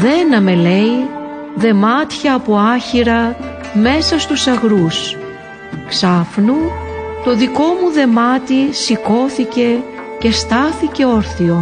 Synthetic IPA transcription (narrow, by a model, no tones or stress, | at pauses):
ðe̞nɐme̞le̞ji | ðe̞mɐt̪çɐːpo̞ɐçiɾɐ | me̞sɐst̪usɐɣɾus | ksɐfnut̪o̞ðiko̞muðe̞mɐt̪isiko̞θice̞ | ce̞st̪ɐθice̞o̞ɾθio̞